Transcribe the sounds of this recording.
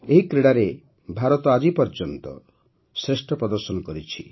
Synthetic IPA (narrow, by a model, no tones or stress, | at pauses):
eɦikɾeɽaɾe | bʱaɾɔt̪ɔad͡ʒipɔɾd͡ʒɔnt̪ɔ̰ | sɾeʃʈɔpɾɔd̪ɔɾsɔnɔkɔɾit͡ʃʰi